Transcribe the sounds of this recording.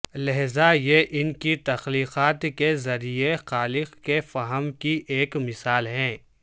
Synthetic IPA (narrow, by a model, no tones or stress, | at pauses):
lɐɦzajeʔɪnkit̪ɐxliːqaːt̪kezɐɾiexaːlɪqkefɐɦəmkiʔeːkmɪsaːlɦɛ̃ː